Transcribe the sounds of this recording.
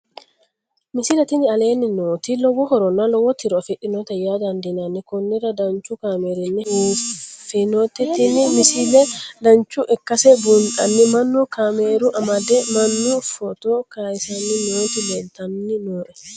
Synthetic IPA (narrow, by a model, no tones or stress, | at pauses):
mɪsɪlɛt̪ɪnːɪɐle̞ːnːɪnoːt̪ilɔwɔhɔɾɔnːalɔwɔt̪ʰːɪɾɔɐfɪᶑːɪnot̪ɛjaːd̪ɐnd̪ɪnɐnːɪkʊnːɪrɐd̪ɐɲt͡ʃːʊkaːmeːɾɪnːɛhuːfinot̪ːɛt̪ːɪnːɪmɪsɪlɛd̪ɐnt͡ʃːʊʔɛkːɐsɛbʊnt̪ʼɐnːɪmɐnːʊkameːɾʊʔɐmɐd̪ɛmɐnːʊfɔt̪okaːjɪsɐnːɪnoːt̪ɪlɛnt̪ɐnnɪnoːʔɛ